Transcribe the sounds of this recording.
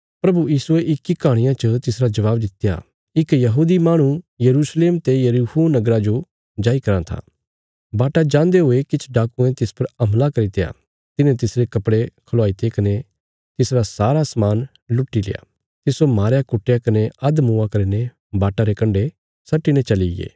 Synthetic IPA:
pɾɐbujiːsʊeʔɪkːikaːɽ̃ɪ̃jãt͡ʃət̪ɪsɾad͡ʒɐʋaːbd̪ɪt̪ːja̰ | ɪkjɐɦuːd̪imaːɽ̃ũjɐɾuːsleːmt̪ejɐɾuuːnɐɡɾad͡ʒo | d͡ʒaːikɐɾãt̪ʰa̰ː | baːʈad͡ʒãːnd̪eɦoːekɪt͡ʃʰɖaːkuẽt̪ɪspɐɾɐmlakɐɾit̪eja̰ː | t̪ɪnẽt̪ɪsɾekɐpɽekʰɐloaːit̪ekɐne | t̪ɪsɾasaːɾasɐmaːn | lʊʈːilḛja̰ː | t̪ɪsomaːɾjakʊʈːejakɐneɐd̪mũːakɐɾine | baːʈaɾekɐ̃ɳɖe | sɐʈːinẽt͡ʃɐlijḛː

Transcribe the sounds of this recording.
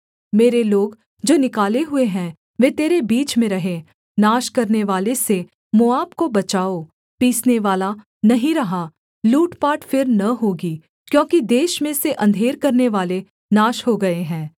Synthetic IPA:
meːɾeloːɡ | d͡ʒoːnɪkaːleɦʊeɦɛ̃ | ʋeːt̪eːɾebiːt͡ʃmẽɾɐɦẽ | naːʃkɐɾneʋaːlese | mʊaːbkobɐt͡ʃaːo | piːsneʋaːla | nɐɦĩɾɐɦa | luːʈpaːʈfɪɾnɐɦoːɡiː | kjõːkid̪eːʃmẽseʔɐ̃nd̪ʱeːɾkɐɾneʋaːle | naːʃɦoɡɐeɦɛ̃ː

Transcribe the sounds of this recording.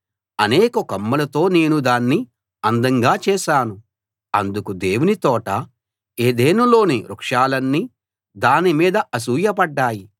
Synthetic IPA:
ɐneːkɐkɐmːɐlɐt̪o̞ːne̞ːnud̪aːnːi | ɐnd̪ɐŋɡaːt͡ʃɛːʃaːnu | ɐ̰nd̪ukud̪eːwunit̪ɔːʈɐ | eːd̪eːnɐlo̞ːneɾukʂaːlɐnːi | d̪aːnimiːd̪ɐɐs̬uːjɐpɐɖːaːji

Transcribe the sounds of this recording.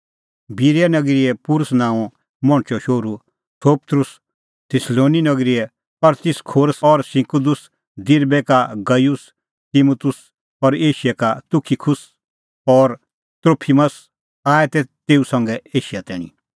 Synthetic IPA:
biɾjanɐɡɾiɛpuɾʊsnãːɔ̃ | mɔ̃ɳ̃t͡ʃɔʃoːɾu | sʰoːpt̪ɾʊs | t̪ʰɪsloːninɐɡɾiɛ | ɔɾt̪ɪskʰoːɾəsɔɾsɪ̃kud̪ʊs | d̪ɪɾbɛkaɡɐjus | t̪imut̪ʊs | ɔɾeːʃjɛkat̪ʊkʰikʰʊs | ɔːɾ | t̪ɾoːpʰiməs | aːɛt̪ɛt̪eːusɐ̃ŋɡɛeːʃijat̪ɛːɽ̃ḭ

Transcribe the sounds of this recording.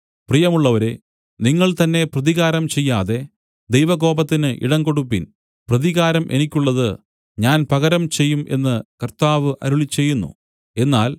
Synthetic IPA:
prijɐmuɭːɐʋɐɾe | niŋːɐɭt̪ɐnːe̞prɐðiɣaːɾɐmt͡ɕe̞jːaːðe̞ | d̪ejʋɐɡo̞ːbɐt̪ːinɨʔḭɽɐŋɡo̞ɽupːin | prɐðiɣaːɾɐmʔe̞̰nikʲːuɭːɐðɨ | ɲaːnpɐɣɐɾɐmt͡ɕe̞jːumʔe̞̰nːɨkɐrt̪aːʋɨʔɐ̰ɾuɭit͡ɕːe̞jːunːṵ | e̞nːaːl

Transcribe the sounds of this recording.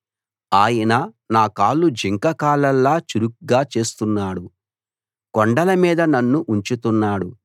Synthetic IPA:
aːjɐnɐ | naːkaːlːud͡ʒiŋkɐkaːlɐlːaːt͡ʃuɾuk̚ɡaːt͡ʃe̞ːst̪unːaːɽu | kɔɳɖɐlɐmiːd̪ɐnɐnːuʔuɲt͡ʃut̪unːaːɽu

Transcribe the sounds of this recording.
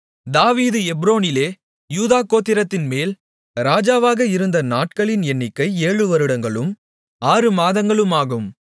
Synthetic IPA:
d̪aːʋiːðɯɛbɾoːnɪleː | juːðaːkːoːt̪ːɪɾɐt̪ːɪnmeːl | ɾaːd͡ʒaːʋaːɣɐɪɾɯnd̪ɐnaːʈ̚kɐɭɪnɛnːɪkːɐɪeːɻɯʋɐɾɯɽɐŋɡɐɭɯm | aːɾɯmaːðɐŋɡɐɭɯmaːɣɯm

